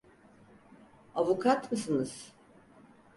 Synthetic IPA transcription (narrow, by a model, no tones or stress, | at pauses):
avukʰat̪mɯsɯnɯz̥